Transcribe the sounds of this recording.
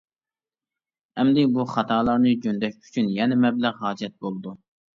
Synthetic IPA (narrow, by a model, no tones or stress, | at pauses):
hɛmd̪ɪbuχɑt̪ʰɑːlˠɑɾnɨd͡ʒønd̪ɛʃy̥t͡ʃʰynjɛnɛmɛblæʁɦɑːd͡ʒɛt̪̚bolˠɨd̪u